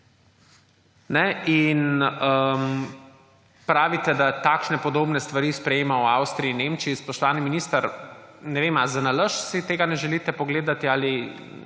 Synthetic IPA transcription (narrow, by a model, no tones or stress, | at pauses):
nɛʔinəm | pɾaːʋit̪ɛd̪at̪aːkʃnɛpɔd̪oːbnɛst̪ʋaɾiːspɾɛjeːmawawst̪ɾiiːnemt͡ʃiːspɔʃt̪ɔʋaːniminist̪aɾnɛʋeːmazanaləʃsit̪eːɡanɛʒɛlit̪ɛpɔɡleːd̪at̪iaːli